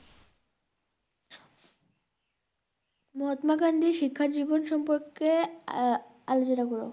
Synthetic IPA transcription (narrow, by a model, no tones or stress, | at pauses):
mɔɦot̪makand̪ʱiʃikʰːad͡ʑibonʃɔmpoɾke | alot͡ɕonakɔɾo̰